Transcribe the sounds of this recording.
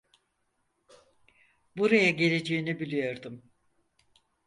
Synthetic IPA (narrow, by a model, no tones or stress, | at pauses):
buɾajaɟe̞lʲe̞d͡ʒe̞jinibilʲijo̞ɾd̪um